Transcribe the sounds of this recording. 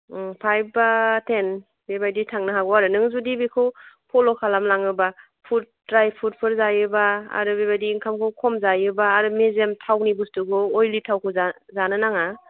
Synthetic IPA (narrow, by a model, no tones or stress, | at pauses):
pʰajbbatʰen | bebajditʰaŋnɯɦaɡɔaɾɯnɯŋzudibekʰɯwpʰɔlɔkʰalamlaŋɯba | pʰut̚dɾajpʰut̚pʰɯɾzajɯba̰ːɾɯbebajdiːŋkʰamkʰɯwkʰɔmzajɯbaːɾɯmezemtʰawnibustuɡɯojlitʰawkʰɯzazanɯnaŋa